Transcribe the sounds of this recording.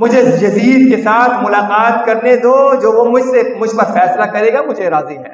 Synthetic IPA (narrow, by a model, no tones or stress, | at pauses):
mʊd͡ʒʱejɐziːd̪kesaːt̪ʰmʊlaːqaːt̪kɐɾned̪oːd͡ʒoːʋomʊd͡ʒʱsemʊd͡ʒʱpɐɾfɛːslakɐɾeːɡamʊd͡ʒʱeɾaːziɦɛ̰ː